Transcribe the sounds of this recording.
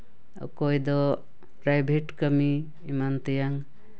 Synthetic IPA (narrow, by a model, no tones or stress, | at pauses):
ɔ̰kɔjd̪ɔ | pɾajbʱeʈkəmiː | mant̪ejaŋ